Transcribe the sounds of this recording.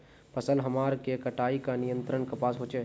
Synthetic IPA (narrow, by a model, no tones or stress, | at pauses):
pɐsəlɦɐmaːɾkekɐʈaːikanɪjə̃nt̪ɾəɳkɐpaːsɦoːt͡ʃeː